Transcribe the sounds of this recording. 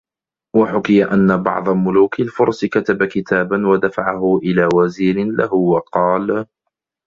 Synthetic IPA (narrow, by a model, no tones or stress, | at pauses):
waħʊkɪjaʔanːabɑ̰ʕd̪ˤɑmʊluːkalfʊɾˤskat̪abakɪt̪ʰaːbanwad̪afaʕaɦʊʔɪlaːwaziːɾɪnla̰hʊwɑqɑːl